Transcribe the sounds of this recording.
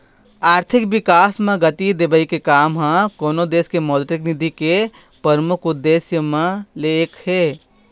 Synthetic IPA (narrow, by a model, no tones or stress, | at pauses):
aːɾt̪ʰɪkʋɪkaːsmẽɡɐt̪id̪ebəikekaːmɦãkoːnod̪eːskemɔːd̪ʈɪknɪd̪ike | pəɾmʊkʊd̪ːeːsjəmẽleːkʰheː